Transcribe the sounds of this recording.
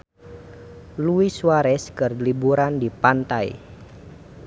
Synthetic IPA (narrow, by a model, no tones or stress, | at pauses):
luiswaɾɛskərlibuɾandipant̪aj̰